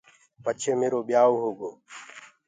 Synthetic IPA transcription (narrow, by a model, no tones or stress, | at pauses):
pət͡ʃʰeːmeːɾoːɓɪjaːoːɦoːɡoː